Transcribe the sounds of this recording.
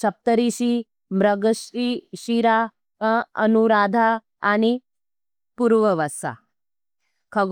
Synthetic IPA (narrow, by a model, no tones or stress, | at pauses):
sɐp̚t̪əɾiɕi | mɾəɡəɕiɕiɾa | ənuɾad̪ʱa | añi | puɾʋəʋəsa̰ | kʰɐɡ